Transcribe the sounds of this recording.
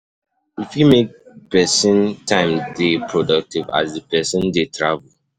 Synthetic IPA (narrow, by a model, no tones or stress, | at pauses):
ifjumek̚pɛsə̃ntʰãɪ̃mdepʰɹɔdʌk̚tiva̰zdəpɛsə̃ndetʰɹavəl